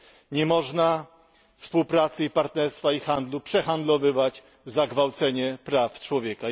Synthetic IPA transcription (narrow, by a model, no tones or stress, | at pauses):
ɲɛmɔʐna | fspuwpɾat̪sɘipaɾt̪nɛɾst̪faixand̪lupʂɛxand̪lɔvɘvad͡ʑ | zaɡvawt̪sɛɲɛpɾaft͡ʂwɔvʲjɛka